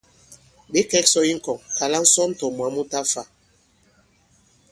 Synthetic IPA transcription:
ɓe˦kɛ˦ksɔ˦i˦ŋ̩˨kɔ˨ŋka˨la˦n̩˦sɔ˦m˦tɔ˨mwa˨˦mu˦ta˦fa˨

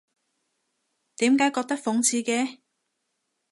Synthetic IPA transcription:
t̪iː˨˥mkaː˨˥jkɔː˧k̚t̪ɐ˥k̚fʊ˨˥ŋt͡sʰiː˧kɛː˧

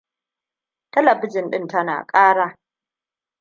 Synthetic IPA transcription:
tɐ˦lɐ˨bɪ˦d͡ʒɪ˨nɗɪ˦ntɐ˦na̰ː˨kʼaː˦ɽaː˦

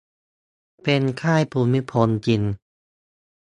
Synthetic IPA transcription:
pe˧nkʰaː˥˩jpʰuː˧mi˦˥pʰo˧˥nt͡ɕi˧n

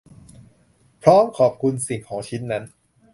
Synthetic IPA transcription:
pʰɾɔː˦˥mkʰɔː˨˩p̚kʰu˧nsi˨˩ŋkʰɔː˩˦ŋt͡ɕʰi˦˥nːa˦˥n

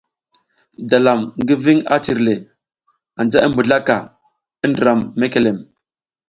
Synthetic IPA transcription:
da˨la˨mŋɡi˦vi˦ŋa̰˦t͡ʃi˨ɾle˨ | a˨nd͡ʒa˦ʔi˦mbu˨ɮa˦ka˨ | i˦ndə˨ɾa˨mːe˦ke˨le˨m

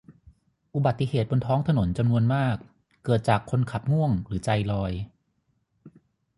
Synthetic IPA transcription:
ʔu˨˧˩ba˨˩t̪ːi˧heː˨˩t̪̚bo˧nt̪ʰɔː˦˥ŋt̪ʰa˧no˩˦nt͡ɕa˧mnu˧ənmaː˥˩kː | ɤː˨˩t̪̚t͡ɕaː˨˩kʰːo˧nkʰa˨˩p̚ŋu˥˩əŋɾɯː˩˦t͡ɕa˧jlɔː˧j

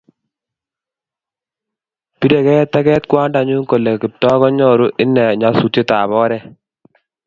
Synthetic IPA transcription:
pi˦de˨kɛ˦t̪ɛ˦kɛ˦t̪kwa˦nda˨ɲu˦ŋko˨le˨kɪ˨p̚tɔ˦kɔ˦ɲɔ˦˨ɾu˦ʔɪ˦nːɛ˨ɲa˨˦su˨te˦t̪a˨bɔ˦ɾɛ˦

